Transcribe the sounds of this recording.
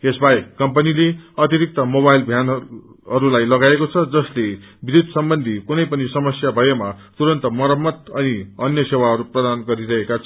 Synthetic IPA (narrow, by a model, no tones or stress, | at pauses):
esbaekʌmpʌnileʌt̪iɾik̚t̪ʌmoβajlbʱjan | ɦʌɾulajlʌɡaekot͡sʰʌd͡zʌsle | bid̪ud̪ʱsʌmbʌnd̪ʱikunʌjpʌnisʌmʌsjabʱʌjemat̪uɾʌnt̪ʌmʌɾʌmːʌt̪ʌniʌnjʌsewaɦʌɾuprʌd̪anɡʌɾiɾʌɦekat͡sʰʌ